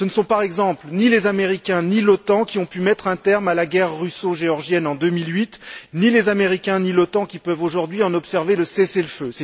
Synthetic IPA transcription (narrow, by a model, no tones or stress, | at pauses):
sənəsɔ̃paʁɛɡzɑ̃plnilezameʁikʲɛ̃nilɔt̪ɑ̃kʲiɔ̃pymɛt̪χɛ̃t̪ɛʁmalaɡɛʁːysoʒeɔʁʒjɛnɑ̃d̪ømilɥit̪nilezameʁikʲɛ̃nilɔt̪ɑ̃kʲipœvoʒuʁd̪ɥiɑ̃nɔpsɛʁveləseseləføsɛ